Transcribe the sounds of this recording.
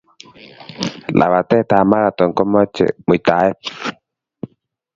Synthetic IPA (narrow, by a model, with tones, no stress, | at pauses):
la̰˨βa˨t̪ɛ˦˨t̪a˨ma˦ɾa˨t̪ɔ˨ŋkɔ˦mɔ˦t͡ʃɛ̰˨mu˨t̪a˨˦ɛ˦